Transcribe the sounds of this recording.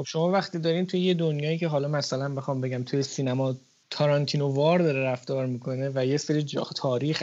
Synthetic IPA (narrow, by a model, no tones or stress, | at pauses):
xob̥ʃo̞mɒːvæxt̪iːd̪ɒːɾiːnt̪ʰujeje̞d̪onjɒːiːcʰe̞ɦɒːlɒːmæsælænbexɒːmbe̞ɟæmt̪ʰujesiːnæmɒː | t̪ʰɒɾɒnt̪ʰino̞vɒːɾd̪ɒːɾeɾæft̪ɒːɾmiːkʰo̞ne̞væjeseɾid͡ʒɒ̰t̪ʰɒːɾiːx